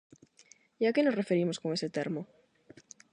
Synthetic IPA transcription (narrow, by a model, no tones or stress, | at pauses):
iakenorefeɾimoskoŋeset̪eɾmo